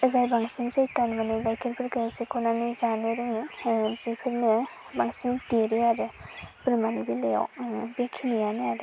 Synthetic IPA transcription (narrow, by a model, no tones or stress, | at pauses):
əzajbaŋsiŋsejtanmaneɡajkʰiɾpʰiɾkɯjasekʰɔnanizanɯɾɯŋibipʰiɾnɯ | baŋsiŋdiɾiaɾɯpɾmanibileja̰wbekʰinijaneaɾɯ